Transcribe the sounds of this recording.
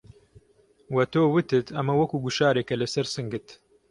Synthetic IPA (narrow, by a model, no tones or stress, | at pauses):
wɐt̪oːwɨt̪ɨt̪ʰɐmɐwɐkuːɡuʃaːɾeːkɐlɐsɐɾsɨŋɡɨt̪